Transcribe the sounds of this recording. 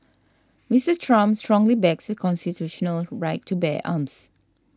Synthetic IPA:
misəstʰɹãmstɹɔ̃ŋlibɛksəkʰɔ̃nstitʰuʃɔnəlɹaɪtʰːubɛʔa̰ms

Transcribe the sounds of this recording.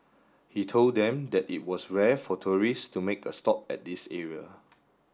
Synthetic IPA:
hitʰolddɛ̃mdɛtit̚wɔsɹɛfɔtʰuɹistumekəstɔp̚ɛ̰t̚disɛɹiə̰

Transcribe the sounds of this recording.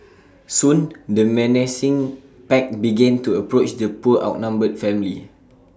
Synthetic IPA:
sũndəmɛnɛsĩŋ | pɛk̚biɡɛ̃ntuəpɹot͡ʃdəpuəʔa̰ʊt̚nãmbəd̚fɛ̃mili

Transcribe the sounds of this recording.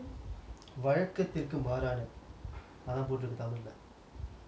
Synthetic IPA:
ʋɐɻɐkːɐt̪ːɪrkɯmaːɾaːɳɯ | ɐðaːnp̬oːʈrɯkːɯt̪ːaːmɐlːɐ

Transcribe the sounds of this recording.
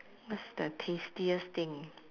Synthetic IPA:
wɔtsdətʰestiəst̪ɪ̃ŋ

